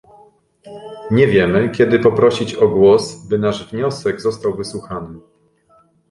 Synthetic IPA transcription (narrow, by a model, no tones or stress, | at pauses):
ɲɛvʲjɛmɘkʲɛd̪ɘpɔpɾɔɕit͡ɕɔɡwɔsbɘnaʐvɲɔsɛɡzɔst̪awvɘswuxanɘ